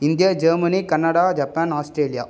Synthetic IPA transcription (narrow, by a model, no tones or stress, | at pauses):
ɪnd̪ijad͡ʒɐːɾmɐnikɐnːɐɽaːd͡ʒɐpːaːnaːsʈɾeːlɪja̰ː